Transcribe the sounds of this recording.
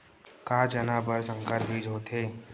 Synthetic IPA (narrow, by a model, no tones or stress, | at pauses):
kaːd͡ʒənaːbəɾsə̃ŋkəɾbʱiːd͡ʒɦoːt̪ʰeː